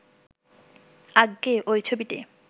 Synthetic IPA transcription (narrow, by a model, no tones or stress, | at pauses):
aɡːeʔojt͡ɕʰobiʈḛ